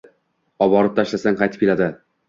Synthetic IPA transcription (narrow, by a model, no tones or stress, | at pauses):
ɒbɒɾɪp̚t̪ʰaʃlasaŋqʰɑjt̪ɪ̥p̚kʲelad̪ɪ